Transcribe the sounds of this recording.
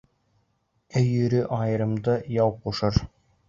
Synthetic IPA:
ɵjɵ̆ɾɵʔɑjɤ̆ɾɤ̆md̪ɤjɑwquʃɤɾ

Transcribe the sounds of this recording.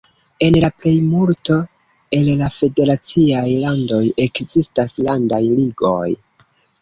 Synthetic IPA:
e̞nlaple̞jmulto̞ | e̞llafe̞de̞ɾat͡siajlando̞je̞kzistaslandajliɡo̞̰j

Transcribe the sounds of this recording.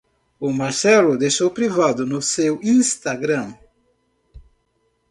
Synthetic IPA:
ʊmaɾsɛlʊd̪ejʃowpɾivad̪ʊnʊsewĩst̪aɡɾɐ̃m

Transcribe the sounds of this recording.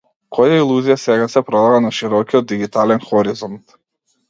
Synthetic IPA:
kʰɔjailˠuzijasɛɡasɛpɾɔd̪avanaʃiɾɔkiɔt̪ːiɡit̪alɛnxɔɾizɔnt̪

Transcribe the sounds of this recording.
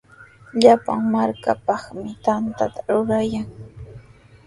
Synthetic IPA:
ʎapa̰ŋmaɾkapɑχmɪt̪ant̪at̪ʰḁɾʊɾajaŋ

